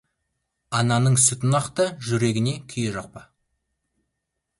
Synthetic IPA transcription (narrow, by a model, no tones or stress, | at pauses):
ɑnɑnəɴsɪt̪ʊnɑqt̪əʒʏɾe̞ɡʲɪne̞kʲʰʏjeʒɑq̚pə